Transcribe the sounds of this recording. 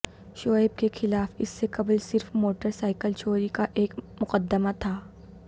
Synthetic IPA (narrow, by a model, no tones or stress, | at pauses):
ʃɔːɪb̚kexɪlaːfɪsːekɐblsɪɾfmoːʈəɾsaːɪkəlt͡ʃoːɾikaʔeːkmʊqəd̪ːəmat̪ʰaː